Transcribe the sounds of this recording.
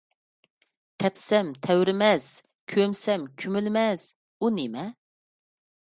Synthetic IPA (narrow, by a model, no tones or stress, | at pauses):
t̪ʰɛpsɛmt̪ʰɛwɾɪmɛz̥ | kʲʰømsɛmkʲʰymylmɛz̥ | unemɛ